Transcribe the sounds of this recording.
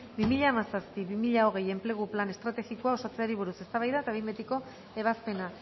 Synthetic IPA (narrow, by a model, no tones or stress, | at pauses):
bimiʎaːmasaspiβimiʎao̞ɣ̞eje̞mple̞ɣ̞uplane̞st̪ɾat̪e̞ɣikoao̞sat͡seaɾiβ̞uɾuse̞st̪aβajðaet̪aβimet̪iko̞ | e̞β̞aspe̞na